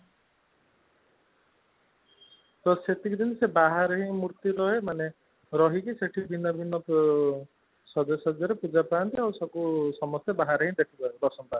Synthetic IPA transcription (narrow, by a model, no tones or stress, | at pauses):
t̪ɔset̪ikd̪insebaɦaɾɔɦĩmuɾt̪ilɔemane | ɾɔɦikiseʈʰibʱinːɔbʱinːɔp | sɔd̪ɔsɔd̪jɔɾepud͡ʒapant̪iawsɔkusɔmɔst̪ebaɦaɾɔɦĩd̪eʈʰikɔed̪ɔsɔmpa